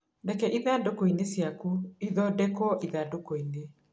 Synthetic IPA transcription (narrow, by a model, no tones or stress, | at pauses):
dɛkɛʔiðadokoinesjakuiðɔdɛkɔʔiðadokoine